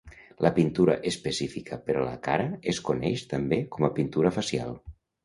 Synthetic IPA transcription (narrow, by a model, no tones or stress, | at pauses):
lʔəpint̪uɾə̰ʔespəsifikʰəpəɾɔlə̰kaɾəeskunɛʃt̪əmbekɔməpint̪uɾəfəsia̰lˠ